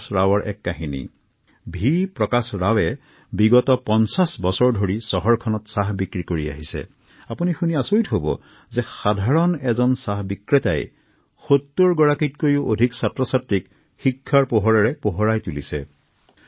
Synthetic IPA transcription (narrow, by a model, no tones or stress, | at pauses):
sɹawɔɹʔɛ̰kːaɦinḭ | bʱipɹɔkasɹawɛ | biɡɔtɔpɔnsasbɔsɔɹdʱoɹisɔɦɔɹkʰɔnɔtsaɦbikɹikoɹia̰ɦisɛ̰ | apunixuniasojtɦobɔ̰ | zɛxadʱaɹɔnɛzɔnsahbikɹeta̰j | xot̪ːuɹɡɔɹakit̚kojiʊʔodʱiksatɹɔsatɹik | xikʰːaɹpoɦɔɹaɹɛpoɦɔɹajtulisɛ